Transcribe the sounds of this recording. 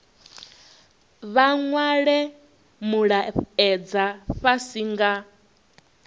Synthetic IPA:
βaŋwaɺɛ | muɺaɛd͡zaɸasiŋɡa

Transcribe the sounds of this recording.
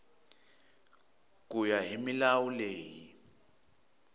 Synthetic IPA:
k̬ʼujaɦimilawuleːji

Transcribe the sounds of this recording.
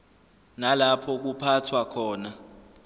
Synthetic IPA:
nalapʰɔk̬upʰatʰwakʰɔːna

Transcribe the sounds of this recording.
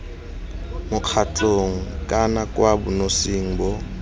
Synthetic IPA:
mʊq͡χʰat͡ɬʼoŋ̩kʼanakʼwabʊnosiŋ̩bɔ

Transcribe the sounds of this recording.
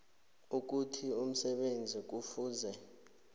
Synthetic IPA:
uk̬utʰium̩sɛɓend͡zʱik̬ufuːzɛ

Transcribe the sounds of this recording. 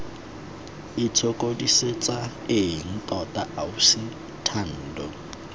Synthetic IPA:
ɪt͡sʰokʼodiset͡sʼa | eŋ̩tʼɔtʼaʔausɪ | tʰan̩ːdɔ

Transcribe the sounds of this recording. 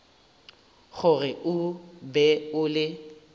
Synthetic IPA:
ɣʊrɪʔʊbɛʊlɪ

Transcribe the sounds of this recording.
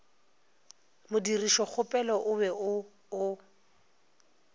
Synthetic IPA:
mʊdiriʃɔk͡xʰʊpʼɛlɔʔʊbɛʊ | ʊ

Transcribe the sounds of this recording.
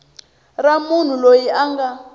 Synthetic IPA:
ramun̤ulojiaŋɡa

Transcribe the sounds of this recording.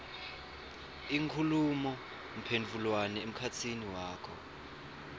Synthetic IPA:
iŋkʰulumɔ | m̩pʰendʱulwanɛem̩kʰat͡sʰiniwaːkʰɔ̰

